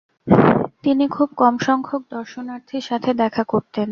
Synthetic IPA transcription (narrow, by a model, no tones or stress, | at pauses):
t̪inikʰubkɔmʃɔŋkʰok̚d̪ɔɾʃonaɾt̪ʰiɾʃat̪ʰed̪ɛkʰakoɾt̪en